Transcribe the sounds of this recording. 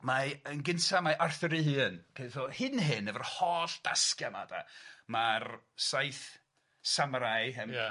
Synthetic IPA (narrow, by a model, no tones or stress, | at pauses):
maənɡɪntʰamaʔarθɔɾɨɦɨːnpʰeɨθɔhɪnɦɨnːəvərhɔːɬd̥askjama̰da̰marsajθ | samɾajɦɪn